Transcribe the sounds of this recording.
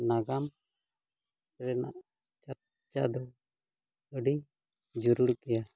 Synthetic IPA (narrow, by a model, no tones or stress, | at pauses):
naɡam | ɾɛna̰ʔ | t͡ʃaɾ | t͡ʃad̪ɔ | əɖi | d͡ʒuɾuɾkɛja